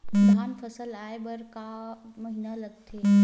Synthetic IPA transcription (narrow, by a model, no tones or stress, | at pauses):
ud̪ʱaːnpʰəsəlaebəɾkaməɦinaləɡ̚t̪ʰe